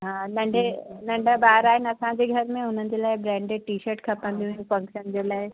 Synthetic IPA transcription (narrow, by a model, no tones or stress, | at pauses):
ɦãnə̃ɳɖenə̃ɳɖabaːɦɾaːɦɪnɐsãd͡ʑeɡʱɐɾmẽʊn̤ənd͡ʑelaːebɾɛ̃ːɳɖeʈiːʃəɾʈkʰɐpãnd̪iũfɐ̃ŋkʃənd͡ʑelaːe